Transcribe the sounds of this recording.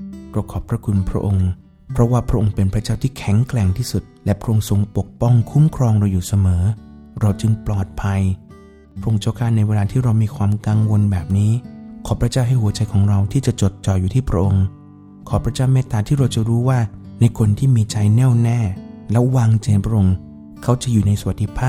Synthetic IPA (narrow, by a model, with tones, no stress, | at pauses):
ɾa˧˩wkʰɔː˨˩pʰɾa˦˥kʰu˧npʰɾa˦˥ʔo˧ŋ | pʰɾɔ˦˥waː˥˩pʰɾa˦˥ʔo˧ŋpe˧npʰɾa˦˥t͡ɕaː˥˩wt̪iː˥˩kʰɛ˨˩˦ŋklɛ˨˩ŋt̪ʰiː˥˩su˨˩t̪̚lɛ˦˥pʰɾa˦˥ʔo˧ŋso˧ŋpo˨˩k̚pɔ˥˩ŋkʰu˦˥mkʰɾɔː˧ŋɾa˧wjuː˨˩sa˧mɤː˩˦ɾa˧wt͡ɕɯ˧ŋplɔː˨˩t̪̚pʰa˧j | pʰɾa˦˥ʔo˧ŋt͡ɕa˥˩kʰaː˥˩na˧jweː˧laː˧t̪ʰiː˥˩ɾa˧wmiː˧kʰwaː˧mka˧ŋwo˧nbɛː˨˩p̚niː˦˥kʰɔː˩˦pʰɾa˧˥t͡ɕaː˥˩wɦa˥˩jhu˩˦ɐt͡ɕa˧jkʰɔː˩˦ŋɾa˧wt̪ʰiː˥˩t͡ɕa˨˩ʔt͡ɕo˨˩t̪̚t͡ɕɔː˨˩juː˨˩t̪ʰiː˥˩pʰɾa˦ʔo˧ŋ | kʰɔː˩˦˥pʰɾa˧t͡ɕaː˥˩wmeː˥˩t̪aː˨˧t̪ʰiː˥˩ɾa˧wt͡ɕa˨˩ɾuː˦˥waː˥˩na˧jkʰo˧nt̪ʰiː˥˩miː˧t͡ɕa˧jnɛː˥˩wnɛː˥˩lɛ˦˥waː˧ŋt͡ɕa˧npʰɾa˥ʔo˧ŋ | kʰa˦˥wt͡ɕa˨˩ʔjuː˨˩na˧jsu˧a˨t̪̚ːʰi˦˥pʰaː˥˩